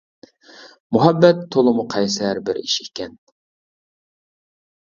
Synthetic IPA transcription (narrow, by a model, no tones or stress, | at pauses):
mʊɦæbːɛt̪ʰːolˠɨmuqʰɑjsæɾbɪɾḭʃikʲɛn